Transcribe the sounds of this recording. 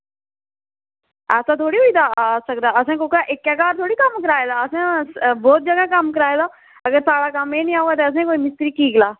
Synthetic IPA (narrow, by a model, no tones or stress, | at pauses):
ɛːsãːt̪ʰoːɽiːɦoiːd̪aːsək̚d̪aːəsãːkokːʔɪkːɛːkaːɾt̪ʰoːɽiːkəmkəɾaːeːd̪aːəsãːbɔːt̪̚d͡ʒəɡãːkəmkəɾaːeːd̪aː | əɡəɾsaːɽaːkəmeːnĩːaːuaːt̪eːəs̬ãːkoːiːmɪst̪ɾiːkiːɡlaː